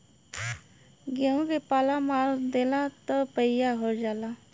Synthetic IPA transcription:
ɡəũʋepaːlamaːɾd̪eːlãt̪əpəijaɦoɾd͡ʒaːla

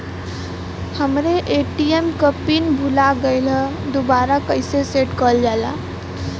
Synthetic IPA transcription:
həmɾeʔeːʈiemkəpinbʱulaɡəɪlə | d̪obaːɾakəɪseseʈkəld͡ʒaːla̰

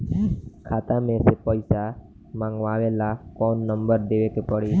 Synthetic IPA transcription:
kʰat̪amẽsepɔjsa | maŋɡʋaʋelakɔnːəmbəɾd̪eʋekepɔɽi

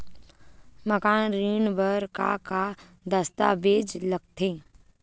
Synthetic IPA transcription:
məkaːnɾiːnbəɾka̰ka | d̪əst̪a̰beːd͡ʒləɡ̚t̪ʰeː

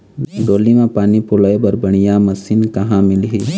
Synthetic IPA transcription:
ɖoːlimẽpaːnipʊləebɐɾbɐɽ̃ijamɐsinkɐɦãmɪlɦi

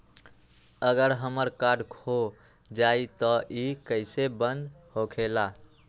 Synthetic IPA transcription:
əɡəɾɦəməɾkaɖkʰo | d͡ʒait̪ɔʔikəɪsebənd̪ | hokʰela

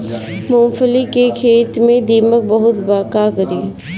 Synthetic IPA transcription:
mõːfəlikekʰeːt̪mẽd̪iːmək̚bəɦʊt̪baːkakəɾiː

